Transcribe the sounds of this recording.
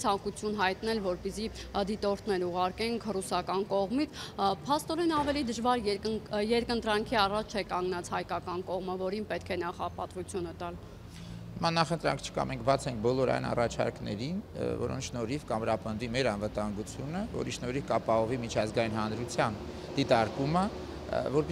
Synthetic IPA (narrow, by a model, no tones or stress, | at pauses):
t͡sʰɑŋkut͡sʰjunɦɑjt̪nɛlvɔɾpisid̪it̪ɔɾt̪ʰnɛɾuʁɑɾkɛŋkʰrusɑkɑnkɔʁmit͡sʰpʰɑst̪ɔɾɛnɑvɛlid̪əʒvɑɾjɛɾkənt̪ɾɑŋkʰiɑrɑt͡ʃʰt͡ʃʰɛkɑŋɡnɑt͡sʰhɑjkɑkɑnkɔʁməvɔɾinpɛt̪kʰɛnɑχɑpɑt̪vut͡sʰjunət̪ɑl | həmɑnɑχənt̪ɾɑ̰ŋkʰt͡ʃʰə̥kɑ̰mɛŋkʰbɑt͡sʰɛŋk̚ʰbɔlɔɾɑ̰jnɑ̰rɑt͡ʃʰɑ̰ɾknɛ̰ɾinvɔ̰ɾɔ̰nt͡sʰʃnɔɾifkɑmɾɑpənd̪vimɛɾɑnvət̪ɑŋɡut͡sʰjunəvɔ̰ɾiʃnɔɾivkɑpɑɦɔvimit͡ʃʰɑzɡɑjinɦɑnɾut͡sʰjɑn | d̪it̪ɑɾkumə | vɔɾp